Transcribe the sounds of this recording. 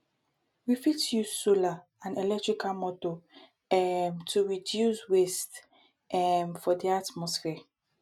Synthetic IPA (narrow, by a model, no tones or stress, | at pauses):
wifitjuzsola | ãnelɛk̚tɹikʰamɔto | ɛmtʰuɹidjuswest | ɛmfɔdiatmɔsfɛ